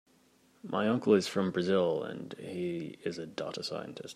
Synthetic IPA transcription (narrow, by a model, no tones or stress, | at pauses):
mʔaɪʌ̃ŋkl̩ˠɨz̥fɹʌ̃mbɹɨzɪlˠə̰̃nhiɪzɨdɑ̰ɾəsaɪɨ̃ntʰɨst̚